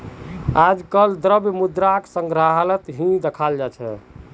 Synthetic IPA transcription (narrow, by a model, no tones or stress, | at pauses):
ad͡ʒkəld̪ɾəbjmud̪ɾaksə̃ŋɡɾaɦlət̪ɦĩd̪ekʰald͡ʒat͡ʃʰɛ̰